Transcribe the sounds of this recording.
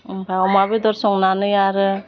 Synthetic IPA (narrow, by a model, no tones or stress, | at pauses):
baɔmabed̪ɔɾsɔŋnanɯjaɾɯ